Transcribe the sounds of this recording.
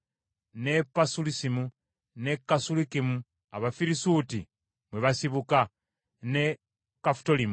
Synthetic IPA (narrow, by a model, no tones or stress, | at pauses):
ne̞pasulisimu | ne̞kasulikimu | a̰βafiɾisuti | mweβasiβuka | ne̞ | kafto̞limu